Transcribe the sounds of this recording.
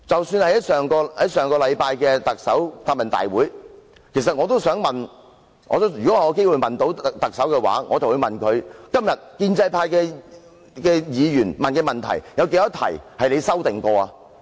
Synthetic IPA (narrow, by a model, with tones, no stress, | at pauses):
t͡sɐ˨wsyː˧nhɐ˨˥sœː˨˩ŋkɔː˧hɐ˨˥jsœː˨˩ŋkɔː˧lɐ˨˧jpaː˧jkɛː˧t̪ɐ˨k̚sɐ˨˥wt̪aː˧t̚mɐ˨˩nt̪a̰ː˨˩jwuː˨˥j | kʰe˨˩js̬ɐ˨t̚ŋɔ˨˧t̪o˥wsœː˨˥ŋmɐ˨˩n | ŋɔ̰ː˨˧t̪o˥jy˨kɔː˨˥˨jke˥jwu˨˧jmɐ˨nt̪o˨˥wt̪ɐ˨k̚sɐ˨˥wkɛː˧wa̰ː˨˥ŋʔɔː˨˧t͡sɐ˨wu˨˧mɐ˨˩nkʰɵ˨˧ɥkɐ˥mjɐ˨t̚kiː˧nt͡sɐ˧jpʰaː˧jkɛː˧ | kɛː˧jiː˨˧jyː˨˩nmɐ˨nkɛː˧mɐ˨˩nt̪ʰɐ̰˨˩jjɐ˨˧wke˧˥jɐ˥t̪ʰɐ̰˨˩jhɐ˨jle˨˧jsɐ˥wt̪ɪ˨ŋkɔː˧aː˧